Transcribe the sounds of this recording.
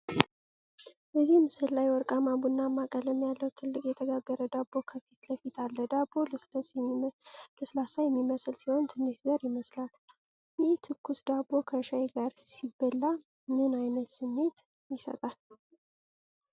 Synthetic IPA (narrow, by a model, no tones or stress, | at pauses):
bəzːihmɨsɨlːajwɔɾkʼamabunːamːakʼələmjalːəwt̪ʰɨlːɨkʼjɛt̪ʰəɡaɡːəɾəd̪abːokʰəfit̪ləfit̪ʰalːəd̪abo | ləslasajɛmːiməslsiho̞nt̪ʰɨndɨʃzəɾjɪməslal | jeht̪ʰɨkːusd̪abːo̞kʰəʃaeɡaɾsibːəlːa | mɨnajnət̪sɨmːe̞t̪ | jɪsə̰t̪ʼal